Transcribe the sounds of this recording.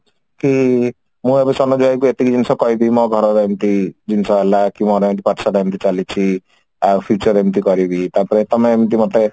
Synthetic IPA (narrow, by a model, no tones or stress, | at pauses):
ki | mũebesɔnɔd͡ʒuakuet̪ikid͡ʒinisɔkɔɦibimɔɡʱɔɾɔɾemt̪id͡ʒinisɔɦelakimɔɾemit̪ipaʈisɔɾemt̪̬it͡ʃalit͡ʃʰi | apʰjut͡ʃɔɾemt̪̬ikɔɾibit̪aɾpɔɾet̪ɔmeemit̪̬imɔt̪e